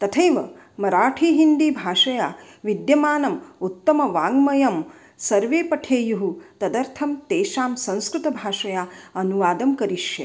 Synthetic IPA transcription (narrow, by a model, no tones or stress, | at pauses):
t̪ɐt̪ʰɐjʋɐ | mɐɾaːʈʰiːɦind̪iːbʱaːʂɐjaː | ʋid̪jɐmaːnɐmut̪ːɐmɐʋaːŋɡmɐjɐm | sɐɾʋeːpɐʈʰeːjuɦut̪ɐd̪ɐɾt̪ʰɐmt̪eːʃaːmsɐ̃ñskɾut̪ɐbʱaːʂɐjaːɐnuʋaːd̪ɐmkɐɾiʂjɐ̰